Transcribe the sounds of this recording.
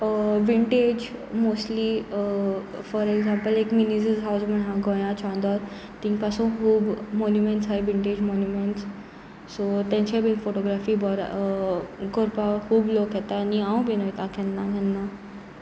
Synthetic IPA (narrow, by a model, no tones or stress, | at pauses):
ʋiɳʈed͡ʑmosʈli | fɔɾeɡzãmpəlekminizəzɦawzmənɦãɡʱɔ̃j̃ãt͡ɕʰãnd̪ɔɾ | t̪ĩŋɡpasũkuːbmɔnjumeɳʈsɦajʋiɳʈed͡ʑmɔnjumeɳʈs | sot̪ɛ̃ɲt͡ɕẽbinfoʈoɡɾafiːbɔɾ | koɾpakuːblokɦɛt̪aːniãũbinojt̪ãkʰɛ̃nːaɡʱɛ̃nːa